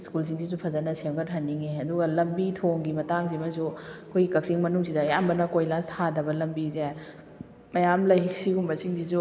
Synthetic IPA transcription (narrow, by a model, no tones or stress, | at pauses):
skulsiŋsizupʰɐzɐnɐsemɡɐɾɦɐnːiŋeɐduɡɐlɐmbitʰoŋɡimɐtaŋzimɐzuɐkʰojɡikɐk̚siŋmɐnuŋsidɐjambɐnɐkojlastʰadɐbɐlɐmbize | mɐjamlɐjɦik̚siɡumbɐsiŋsizu